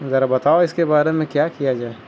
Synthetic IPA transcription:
zɐɾabɐt̪aːoɪskebaːɾemẽkjakijad͡ʒaːe

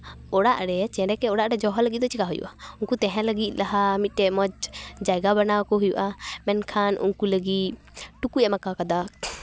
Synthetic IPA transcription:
ɔɽaʔɾɛt͡ʃɛ̃ɾɛkɛɔɽaʔɾɛd͡ʒɔɦɔləɡit̪d̪ɔt͡ʃikaɦujṵʔaunkut̪ɛ̃ɦɛ̃ləɡit̪̚ˀlaɦamit̪̚ʈɛmɔd͡ʒd͡ʒaɡabanakɔɦujṵʔamɛnkʰanṵnkuləɡi | ʈukujamakakad̪ak

